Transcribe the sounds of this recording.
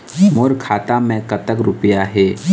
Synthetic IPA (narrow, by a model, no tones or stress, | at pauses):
moɾkʰaːt̪amẽkət̪əkɾʊpjaɦɛː